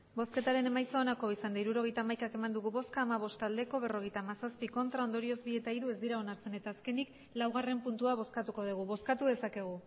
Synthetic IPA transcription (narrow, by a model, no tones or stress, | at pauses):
bo̞ske̞t̪aɾe̞nemajsoːnako̞isand̪aiɾuɾo̞ɣ̞ejt̪aːmajkake̞mand̪uɣuβo̞skaːmaβ̞o̞st̪ald̪e̞ko̞β̞e̞ro̞ɣ̞e̞jt̪aːmasaspiko̞nt̪ɾao̞nd̪o̞ɾio̞zbie̞t̪aiɾue̞zd̪iɾao̞naɾt͡se̞ne̞t̪aːske̞nik | lawɣ̞are̞mpunt̪uaβ̞o̞skat̪uko̞ðiɣ̞uβo̞skat̪uðe̞sake̞ɣ̞u